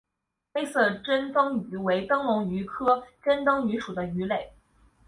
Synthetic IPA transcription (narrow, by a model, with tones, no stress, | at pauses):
xe˥ɪsɤ˥˩ʈ͡ʂə˥nt̪ɤ˥ŋy˧˥we˧˥ɪt̪ɤ˥ŋlʊ˧˥ŋy˧˥kʰɤ˥ʈ͡ʂə˥nt̪ɤ˥ŋy˧˥ʂu˨˩d̪ə˦y˧˥le˨˩˦ɪ